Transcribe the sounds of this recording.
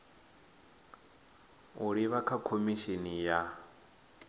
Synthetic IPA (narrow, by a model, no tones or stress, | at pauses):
uɺiβakʰakʰomiʃinija